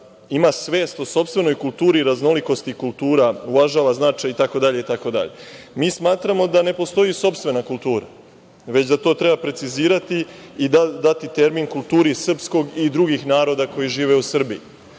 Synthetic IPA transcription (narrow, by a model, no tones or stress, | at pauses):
imasʋe̞ːst̪o̞so̞pst̪ʋe̞no̞jkult̪uːɾiɾazno̞liko̞st̪ikulˠt̪uːɾaulaʒaːʋaznat͡ʃajit̪ako̞d̪aʎe̞it̪ako̞d̪a̰ʎe̞miːsmaːt̪ɾamo̞d̪ane̞po̞st̪o̞jiso̞pst̪vʋe̞nakulˠt̪uːɾa̰ | ʋe̞t͡ɕd̪at̪o̞ːt̪ɾe̞bapɾe̞t̪siziːɾat̪iːd̪ad̪at̪it̪e̞ɾminkulˠt̪uːɾisr̩psko̞ɡid̪ɾuɡixnaːɾo̞d̪ako̞jiʒiːʋe̞usr̩bii